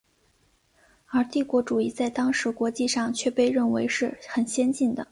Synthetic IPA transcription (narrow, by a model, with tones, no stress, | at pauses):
ə˞˧˥t̪i˥˩kwɔ˧˥ʈ͡ʂu˨˩i˥˧t͡sa˥˩ɪt̪ɑ˥ŋʂɻ̩˧˥kwɔ˧˥t͡ɕi˥˧ʂɑ˥˧ŋt͡ɕʰɥɛ˥˧pe˥˧ɪɻə˥˩nwe˧˥ɪʂɻ̩˥˩xə˨˩nɕjɛ˥nt͡ɕi˥˩nd̪ə˩